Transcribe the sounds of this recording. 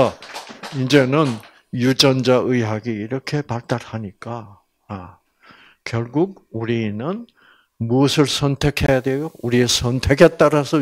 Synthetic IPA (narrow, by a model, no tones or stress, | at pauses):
a | ind͡ʑe̞nɯn | jud͡ʑʌnd͡ʑaʔɯɦaɡiiɾʌkʰe̞paɭt͈aɾhaɲik͈aː | kjʌɭɡuɡ̚uɾinɯn | muʌsʰɯɭsʰʌntʰe̞kʰe̞jadwejouɾiesʰʌntʰe̞kʰe̞t̚t͈aɾasʰʌ